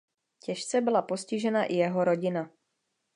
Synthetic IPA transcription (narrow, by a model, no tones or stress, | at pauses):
cɛʃt͡sɛbɪlaposcɪʒɛnaʔɪjɛɦoɾoɟɪna